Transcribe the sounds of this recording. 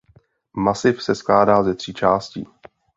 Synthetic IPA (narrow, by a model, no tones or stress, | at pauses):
masɪfsɛsklaːdaːzɛt̪r̝̥iːt͡ʃaːscḭː